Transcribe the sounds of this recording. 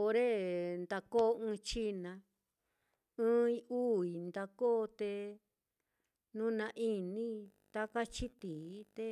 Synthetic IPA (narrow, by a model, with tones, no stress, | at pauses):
o˧ɾe˦nd̪a˧ko˦˧ɨ̃˦˧t͡ʃi˦nã˧ | ɨ̃˦ĩ˦˧u˦˨i˨nd̪a˧ko˦˧t̪e˧ | nũ˦nã˧ʔi˧nĩ˦ | t̪a˦ka˦t͡ʃi˦t̪i˨˦t̪e˧˦